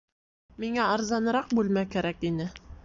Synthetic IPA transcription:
miŋæɑɾzɑnɤ̆ɾɑq̚bʉlmækæɾækinɘ

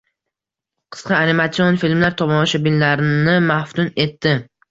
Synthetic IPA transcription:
qʰɨ̥sqɑanimat̪sionfilmlaɾt̪ʰɒmɒʃabillaɾɪnɪmafft̪ʊne̞t̪ːɪ

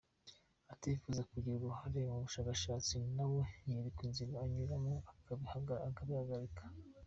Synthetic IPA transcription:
atifuzakuɟiɾuɡuhaɾemuβuʃaːkaʃaːt͡sinawejeɾikinziɾoaɲuɾamoahaakaβihaɡaɾikḁ

